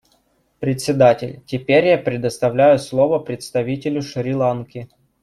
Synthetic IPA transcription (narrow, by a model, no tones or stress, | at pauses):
pɾʲɪt̪ʲsʲɪd̪atʲɪlʲtʲɪpʲeɾʲjapɾʲɪd̪əst̪ɐvlʲæjʊslˠovəpɾʲɪt̪st̪ɐvʲitʲɪlʲʊʂɾʲɪlˠankʲɪ